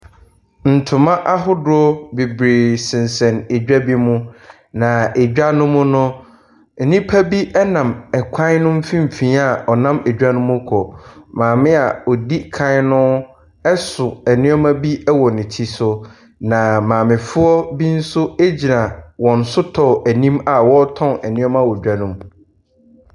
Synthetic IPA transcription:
n̩˨tʰʊ̃˨mã˦ʔa˦ɦʊ˦dʊ˦ɔ˦bi˨bɾe˨sɪ̃˨n˨sɛ̃˨ne˨d͡ʑᶣa˦bi˦mʊ̃˦ | nã˨e˨d͡ʑᶣa˦nʊ̃˦mʊ̃˦nʊ̃˦ | n̩˨nĩ˦pʰa˦bi˦ʔɛ˦nã˨mɛ˨kʷʰã˦nʊ̃˦m̩˦fĩ˦m̩˨fĩ˨˦a˦˨ɔ˨nã˦mɛ˨d͡ʑᶣa˦nʊ̃˦mʊ̃˦kʰɔ˨mãː˨mɪ̃˦a˨ɔ˨di˦kʰã˦nʊ̃˦ | ɛ˦sʊ˨ɛ˨nɪ̃˦ɔ˦mã˦bi˦ɛ˦wɔ˨nɪ̃˨tʰi˦sʊ˦ | nã˨mãː˨mɪ̃˨fʊ˦ɔ˦bi˦n̩˦sʊ˦e˦d͡ʑi˨nã˨wɔ̃˨n̩˨sʊ˦tʰɔ˨æ˨nĩ˦ma˨wɔ˦tʰɔ̃˦nɛ˨nɪ̃˦ɔ˦ma˦wɔ˨d͡ʑᶣa˦nʊ̃˦m

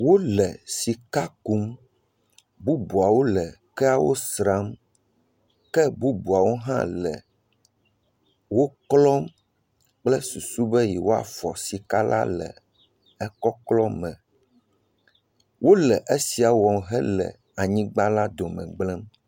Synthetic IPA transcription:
wo˦lɛ˨si˨ka˦ku˦m | bu˦bu˨a˨wo˦lɛ˨kɛ˦a˨wo̰˦sɾa˦m | kɛ˦bu˦bu˨a˨wo˦ɦã̰˦lɛ̰˨ | wo˦klɔ˦m | k͡plɛ˦su˨su˦bɛ˦ji˨wo˦a̰˨fɔ˨si˨ka˦lʔa̰˦lɛ̰˨ | ɛ˦kɔ˦klɔ˦mɛ̃˨ | wʔo˦lɛ˨ʔe˦si˨a˨wɔ˨mɦɛ˦lɛ̰˨ | a˨ɲĩ˦ɡ͡ba˦la˦d̪o˨mɛ̰̃˨ɡ͡blɛ˦m

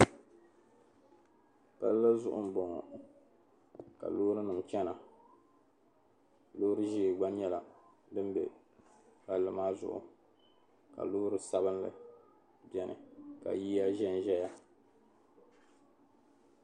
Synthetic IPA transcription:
pa̰˦lla˦zʊ̰˦ʔʊ̰˦m̩˨bɔ˨ŋɔ̰˨ | ka̰˨loː˦ɾɨ˦nɨ˨m˨t͡ʃɛ˦na˨ | loː˦ɾɨ˦ʒeː˦˨ɡ͡ba˦ɲ˦ɲɛ˦la˨ | bɨ˦m˦bɛ̰˨ | pa˦lːɨ˦maː˦zʊ̰˨ʔʊ̰˨ | ka̰˨loː˦ɾɨ˦sa˦bɨ˦nlɨ̰˦ | bɛ˨nʔɨ̰˨ka̰˨jiː˦ja˦ʒɛ˦n˨ʒɛ˦ja˦

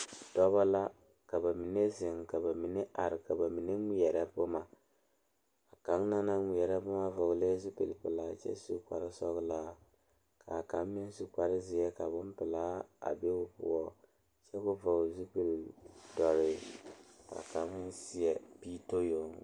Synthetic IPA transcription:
dɔ˦βa˦la˦ | ka˨ba˨mi˨ne˦zɪ˨ŋka˨ba˨mi˨ne˦ʔa˨ɾɪ˨ka˨ba˨mi˨ne˦ŋʷi˦ɛ˨ɾa˦bo˦ma˨ | a˨ka˨˦ŋ˦na˦na˦ŋʷi˨jɛ˨ɾa˦bʊ˦ma˦vɔ˨ɣle˦zu˦pe˨pɨ˨laː˨t͡ʃɛ̰˦su˦ka̰˨ɾɪ˦sɔ˦ɣlaː˦ | ka̰˨ka˨˦mː˦ɛ˦n˦su˦k͡pa˨ɾɪ˦zɪ˦jɛ˦ka˨bʊ˦m˦pɨ˨laː˦a̰˨be˦ʊ˦pʊ̰˦ɔ˦ | t͡ʃɛ˦kʊ˦vɔ˨ɡzu˦pe˨ldɔ˨ɾɪ˨ | ka̰˨ka˨˦ŋ˦si˦ɛ˨pi˦to˦jo˨ŋ˨

